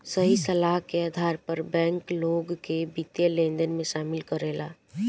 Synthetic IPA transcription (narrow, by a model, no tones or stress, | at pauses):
səɦisəlaɦkeaːd̪ʱaːɾpəɾbɛ̃ːŋkloːɡkebit̪jəlẽːnd̪ənmẽʃaːmɪlkəɾeːlaː